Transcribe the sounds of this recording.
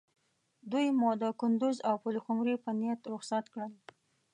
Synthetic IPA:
d̪ujmɔd̪əkʊnd̪ʊzawpʊlxʊmɾipənijat̪ɾʊxsat̪kɽəl

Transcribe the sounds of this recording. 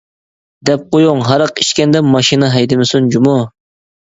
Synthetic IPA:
d̪ɛp̚qʰojoŋɦɑɾəqiʃkʲɛnd̪ɛmɑʃinɨɦɛjd̪ɪmɪsund͡ʒumu

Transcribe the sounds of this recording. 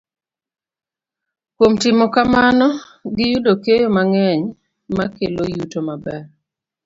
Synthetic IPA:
kwomtɪmɔkamanɔ | ɡɪjudokejomaŋɛɲ | makelojutomabɛr

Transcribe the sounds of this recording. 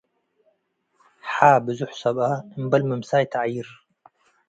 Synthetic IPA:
ħaːbɨzʊħsɐbaəmbɐlməmsaːjt̪ʰaʕjiɾ

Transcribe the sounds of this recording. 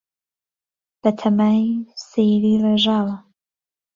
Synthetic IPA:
b̥ɐt̪ʰɐmaːjsejɾiːreʒaːwɐ

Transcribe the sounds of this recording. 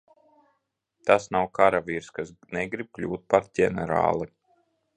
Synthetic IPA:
t̪asnawkaɾaviɾskasnɛɡɾib̚klʲuːt̪̚paɾdʲɛnɛɾa̰ːlˠi

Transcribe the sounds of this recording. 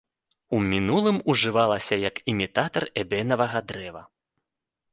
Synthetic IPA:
umʲinulˠɨmuʐɨvalˠɐsʲɐjɐkimʲit̪at̪ɐrɛbʲɛnɐvɐɣɐd̪ɾɛvɐ̰

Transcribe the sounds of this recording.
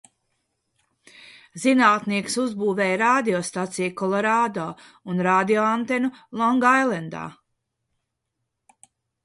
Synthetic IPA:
zinaːt̪niɛksuzbuːvɛːjɾaːd̪iɔst̪at̪sijkɔlˠɔɾaːd̪oː | unɾaːd̪ijɔant̪enulˠɔŋɡajlɛnd̪a̰ː

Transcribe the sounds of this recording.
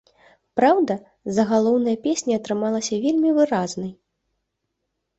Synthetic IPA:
pɾawd̪ɐ | zɐɣalˠɔwnɐjɐpʲesʲnʲiɐt̪ɾɨmalˠɐsʲɐvʲelʲmʲivɨɾaznɐj

